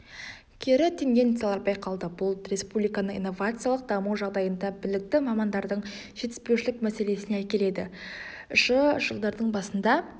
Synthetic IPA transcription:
kʲʰeɾɪt̪ʰeŋɡʲe̞nt̪salˠɑɾbɑjqʰɑlˠd̪əbʊlˠrʲe̞spublijkɑnəɴḭjnːo̞vat̪sɨjalˠəq̚d̪ɑmuwʒɑʁd̪ɑjənd̪ɑbɪlɪk̚t̪ɪmɑmɑnd̪ɑɾd̪əɴʒ̥e̞t̪ɪ̥spe̞wʃɪlɪkmæse̞le̞sɪneækʲe̞le̞d̪ɪ | ʃəʒəlˠd̪ɑɾd̪əɴbɑsənd̪ɑ

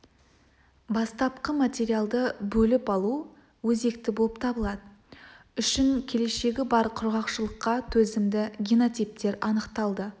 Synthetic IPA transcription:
bɑst̪ɑpqəmat̪ʲe̞ɾijalˠd̪əbɵlɪpɑlˠu | wɵze̞kt̪ɪbolˠəp̚t̪ʰɑbəlˠɑd̪ə | ʏʃɪŋkʲʰe̞le̞ʃe̞ɡʲɪbɑɾqʰʊɾʁɑqʃəlˠəqːɑt̪ʰɵzɪmd̪ɪɡʲino̞t̪ijp̚t̪e̞ɾɑnəqt̪ɑlˠd̪ə

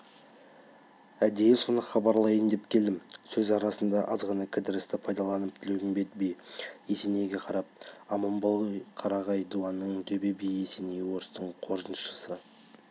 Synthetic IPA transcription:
æd̪e̞jɪsonəqχɑbɑɾlˠɑjənd̪e̞pkʲʰe̞ld̪ɪmsɵzɑɾɑsənd̪ɑʔɑzʁɑnɑkʲʰɪd̪ɪɾɪst̪ɪpʰɑjd̪ɑlˠɑnəp̚t̪ʰɪleɡ̪ɪŋbet̪̚bejese̞ne̞jɡʲe̞qʰɑɾɑp̚ɑmɑmbɑqʰɑɾɑʁɑjd̪uɑnːəɴd̪ebebijese̞ne̞jwo̞ɾəst̪əɴqʰo̞ɾzənʃə̥sə

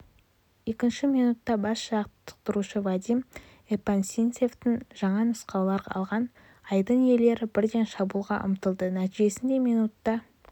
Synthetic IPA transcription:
je̞kʲɪnʃɪmijnut̪ːɑbɑsɑqt̪ʰːə̥q̚t̪əɾuʃəvad̪ʲim | epansʲinse̞ft̪ɪŋʒɑɴɑnʊsqɑwlˠɑɾɑ̰lˠʁɑn | ɑjd̪əɴje̞le̞ɾɪbɪɾd̪e̞nʃɑbulˠʁɑʔʊ̰mt̪əlˠd̪ənæt̪iʒe̞sɪnd̪e̞mijnut̪ːɑ

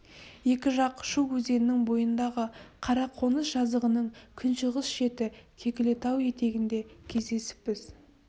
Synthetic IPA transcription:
je̞kʲɪʒɑqʃuwwɵze̞nɪnɪŋbo̞jənd̪ɑʁəqʰɑɾɑqʰo̞nəsʒ̥ɑzd̪əʁənəɴkʲʰɪnʃəʁəsʃe̞t̪ɪkʲʰe̞kʲɪle̞t̪ɑwje̞t̪e̞ɡʲɪnd̪e̞kʲʰe̞zd̪e̞sɪ̥pːɪz

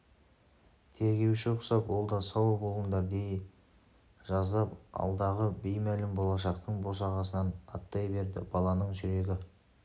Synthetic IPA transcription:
t̪ʰe̞ɾɡʲe̞wʃɪʊqsɑpwo̞lˠd̪ɑsɑwbolˠʁənd̪ɑɾd̪ej | ʒɑzd̪ɑpɑ̰lˠd̪ɑʁəbijmælɪmbo̞lˠɑʃ̬ɑqt̪əɴbo̞s̬ɑʁɑsənɑnɑt̪ːɑjbe̞ɾd̪ɪ̰bɑlˠɑnəɴʒʏɾe̞ɡʲɪ

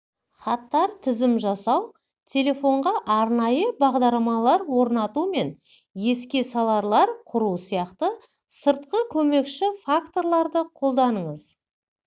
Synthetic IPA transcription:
χɑt̪ːɑɾt̪ʰɪzɪmʒɑsɑw | t̪ʲʰe̞lʲe̞fo̞ɴʁɑʔɑɾnɑjəbɑʁd̪ɑɾlˠɑmɑlˠɑɾwo̞ɾnɑt̪ume̞n | je̞skʲe̞sɑlˠɑɾlˠɑɾqʰʊɾusijɑqt̪ə | səɾt̪qəkʲʰɵme̞kʃɪfakt̪o̞ɾlˠɑɾd̪əqʰo̞lˠd̪ɑnəɴəz

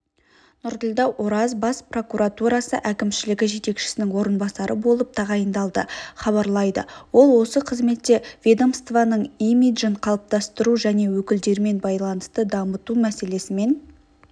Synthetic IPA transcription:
nʊɾd̪əlʲd̪ɑwʔoɾɑzbɑspro̞kuɾat̪uɾɑsə̰ʔækʲɪmʃɪlɪɡʲɪʒe̞t̪e̞kʃɪ̥sɪnɪŋwo̞ɾənbɑsɑɾəbo̞lˠəp̚t̪ʰɑʁɑjənd̪ɑlˠd̪əχɑβɑɾlˠɑjd̪ə̰wo̞lˠwo̞səqʰəzme̞t̪ːe̞vʲe̞d̪omst̪vanəɴimid̪ʒəɴqʰɑlˠəp̚t̪ɑst̪əɾuʒæne̞wɵkʲɪld̪e̞ɾme̞nbɑjlˠɑnəst̪əd̪ɑmət̪umæse̞le̞sɪme̞n

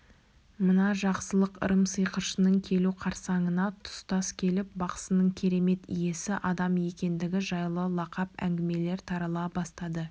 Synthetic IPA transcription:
mənɑʒɑqsəlˠəqə̰ɾəmsəjqəʃənəɴkʲʰe̞luqʰɑɾsɑɴənɑt̪ʰʊ̥st̪ɑskʲʰe̞lɪp̚bɑqə̥sənəɴkʲʰeɾe̞me̞t̪ḭje̞sɪʔɑd̪ɑmje̞kʲe̞nd̪ɪɡʲɪʒɑjlˠəlˠɑqɑpæ̰ŋɡʲɪme̞le̞ɾt̪ʰɑɾɑlˠɑbɑst̪ɑd̪ə

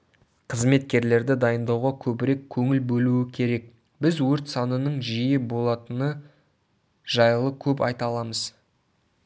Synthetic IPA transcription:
qʰəzme̞t̪̚kʲe̞ɾle̞ɾd̪ɪd̪ɑjənd̪ɑwʁɑkʲʰɵbɪɾe̞kʲʰːɵŋɪlbɵluɪkʲʰe̞ɾe̞k̚ | bɪzwɵɾt̪sɑnənəɴʒijɪbo̞lˠɑt̪ənə | ʒ̥ɑjlˠəkʲʰɵpɑ̰jt̪ɑlˠɑməz̥

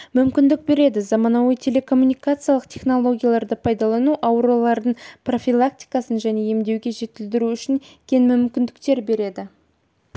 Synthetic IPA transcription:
mʏmkʲɪnd̪ɪk̚be̞ɾe̞d̪ɪzɑmɑnɑwəjt̪ʰe̞le̞kʰo̞mːunijkat̪sɨjalˠəqt̪ʰe̞χno̞lˠo̞ɡʲijalˠɑɾd̪əpʰɑjd̪ɑlˠɑnuʔɑwɾulˠɑɾd̪əɴpro̞fʲilˠak̚t̪ijkɑsənʒæne̞je̞md̪e̞wɡʲe̞ʒe̞t̪ɪld̪ɪɾuʏʃɪŋkʲʰe̞nmʏmkʲɪnd̪ɪkt̪e̞ɾbe̞ɾe̞d̪ɪ

